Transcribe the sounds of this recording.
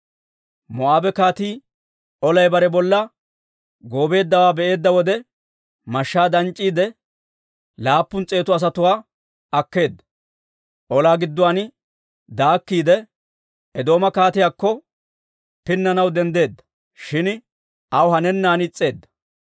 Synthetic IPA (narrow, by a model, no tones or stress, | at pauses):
mɔʔaːbɛkaːt̪iː | ɔlɐjbɐɾɛbɔlːɐ | ɡo̞ːbe̞ːd̪ːɐwaːbɛʔe̞ːd̪ːɐwɔd̪ɛ | mɐʃːaːd̪ɐnt͡ʃʼːiːd̪ɛ | laːpːʊnt͡sʼe̞ːt̪ʊɐs̬ɐt̪ʊwaː | ɐkːe̞ːd̪ːɐ̥ | ʔɔlaːɡɪd̪ːʊwan | d̪aːkːiːd̪ɛ | ɛd̪o̞ːmɐkaːt̪ɪjaːkːɔ | pɪnːɐnɐwd̪ɛnd̪e̞ːd̪ːɐ̥ | ʃɪn | ɐwʊɦɐnɛnːaːnɪt͡sʼːe̞ːd̪ːɐ̥